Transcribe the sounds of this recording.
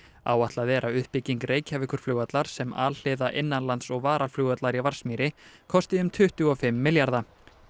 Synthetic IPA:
a̰ːwaht̪laðvɛːɾʔaʏhpɪciŋkreːjcʰavɪkʏɾ̥flʏːɣat̪laɾ̥sɛma̰ːll̥ɪðaʔɪnːanlant̪sɔɣvaːɾalflʏːɣat̪laɾivaɾ̥smiːɾɪkʰɔst̪ɪʏmt̪ʰʏht̪ʏɔfɪmːɪljaɾða

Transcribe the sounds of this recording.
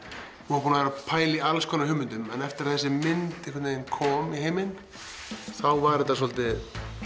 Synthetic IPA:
huapʰunavɛɾapʰaːjlɪialskʰɔːnaɦʏːmːʏnt̪ʏmɛnɛft̪ɪɾaθɛsːɪmɪnt̪ɛhkʰvat̪nejɪnkʰɔːmiɦejmɪn | θawvaɾɪt̪as̬ɔlt̪ɪ

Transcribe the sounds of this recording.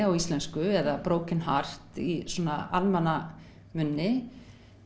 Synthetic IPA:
awist̪lɛnskʏɛðapɾoːwcɪnɦar̥t̪isɔnaalmana | mʏnːɪ

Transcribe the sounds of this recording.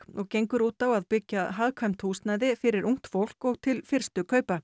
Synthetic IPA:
ɔɣcejŋkʏɾuːt̪awaðpɪcːaɦaðkʰamt̪ʰuːst̪naːjðɪfɪɾɪɾuŋ̥t̪fowl̥kɔɣt̪ʰɪlfɪr̥st̪ʏkʰœːɥpa

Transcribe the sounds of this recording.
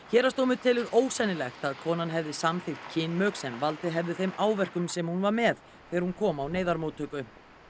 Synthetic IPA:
çɛːɾast̪owmʏt̪ʰɪlʏɾoːwsɛnɪlɛxt̪aðkʰɔːnanɦɛvðɪsamθɪxt̪cʰɪnmœːksɛnvalt̪ɪɦɛvðɪθejmaːwvɛr̥kʏmsɛmhunvaɾmɛð | θɛːɾhunkʰɔːmawneːjðaɾmoːwt̪ʰœːkʏ

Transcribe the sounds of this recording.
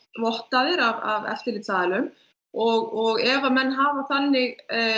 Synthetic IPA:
vɔht̪aðɪɾavavɛ̰l̥t̪ɪlɪt̪ʰaːlʏm | ɔɣɔɣɛvamɛnːɦaːvaθanːɪɣ

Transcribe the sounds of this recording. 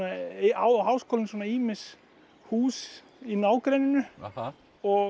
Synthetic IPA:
aawhaːwskoːlɪnsɔnaiːmɪs | huːs | inaːwkɾejnʏnʏ | ɔ

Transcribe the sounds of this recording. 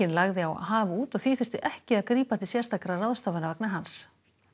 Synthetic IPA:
ɪnlaɣðɪawa̰ðɦaːvauːt̪ɔɣθiːθʏr̥t̪ɪʔɛhcɪaðkɾiːpat̪ɪsjɛ̥st̪akɾaraðst̪avanaɾvaknaɦans

